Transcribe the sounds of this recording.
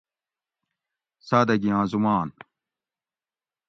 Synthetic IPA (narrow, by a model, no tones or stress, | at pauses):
saːd̪ɐɡiãːzumaːn